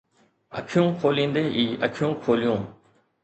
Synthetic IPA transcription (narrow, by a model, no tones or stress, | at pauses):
ə̰kʰjũːkʰoːlĩːnd̪eːʔiːʔəkʰɪjũːkʰoːlijũː